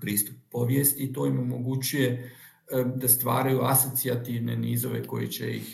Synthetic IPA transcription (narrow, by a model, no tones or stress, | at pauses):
pɾiːst̪upːo̞ʋjest̪it̪o̞ːimo̞mo̞ɡut͡ɕuje̞ | d̪ast̪ʋa̰ːɾajuaso̞t̪siat̪iʋne̞niːzo̞ʋe̞̰ko̞jḭt͡ɕḛjḭx